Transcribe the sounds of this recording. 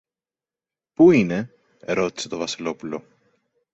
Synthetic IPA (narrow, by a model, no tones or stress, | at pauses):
pujne | eɾot̪set̪ovɑseloplu